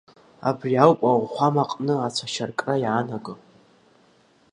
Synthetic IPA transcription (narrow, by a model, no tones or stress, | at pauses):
a̰briawpʼawχʷamaqʼnɨat͡sʷʰaʃarkʼrajanaɡɨ